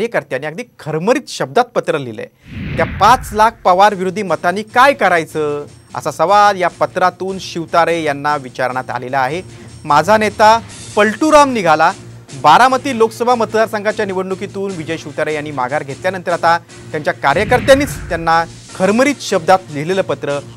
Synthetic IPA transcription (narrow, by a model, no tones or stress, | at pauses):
jəkəɾt̪janːiakɡ̚d̪iːkʰəɾməɾiːt̪ɕəb̚d̪at̪̚pət̪ɾəlḭlḛ | t̪japat͡slak̚ʰpəʋaɾʋiɾud̪ʱːiːmət̪aniːkajkəɾajt͡səə̰sasəʋad̪japət̪ɾat̪uːnɕiʋt̪aɾejanːaʋit͡ɕaɾɳ̃at̪a̰lelaːɦe | mad͡zʱanet̪apəɭʈuɾamniɡʱala | baɾamət̪iːloksəbʱamət̪d̪aɾsaŋɡat͡ɕjaniʋəɽɳukit̪uːnʋid͡ʑəjɕiʋt̪aɾejanːiːma̰ɡʱaɾɡʱet̪ljanənt̪əɾat̪a | t̪jaɲt͡ɕjakaɾjəkəɾt̪janːiːt͡st̪janːa | kʰəɾməɾiːt̪ɕəb̚d̪at̪lileləːpət̪ɾə